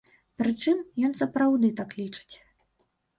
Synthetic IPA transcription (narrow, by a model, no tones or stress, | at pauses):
pɾɨt͡ʂɨmjɔnsɐpɾawd̪ɨt̪aklʲit͡ʂɨ̥t͡sʲ